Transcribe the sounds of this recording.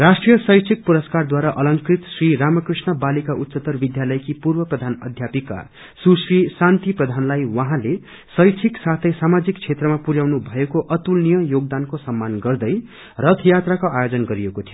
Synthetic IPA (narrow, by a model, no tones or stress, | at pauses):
rasʈrijʌsʌjt͡sʰik̚puɾʌskard̪waɾaʔʌlʌŋkrit̪sriɾamʌkrisnʌbalikaʔut̪ːsʌt̪ʌrbid̪jalʌjkipurbʌprʌd̪ʱanʌ̰d̪ʱjapika̰ | susrisant̪iprʌd̪ʱanlajwʌɦãle | sʌjt͡sʰiksat̪ʰʌjsamad͡zikt͡sʰet̪rʌmapuɾjawnubʱʌekoʔʌt̪ulnijʌjoɡ̚d̪ankosʌmːanɡʌrd̪ʌj | rʌt̪ʰjat̪rakoajod͡zʌnɡʌɾijekot̪ʰio